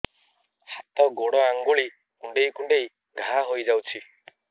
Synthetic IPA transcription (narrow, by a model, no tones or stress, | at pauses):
hat̪ɔɡoɽɔaŋɡuɭi | kuɳɖejkuɳɖej | ɡʱaaɦojd͡ʒawt͡ʃʰi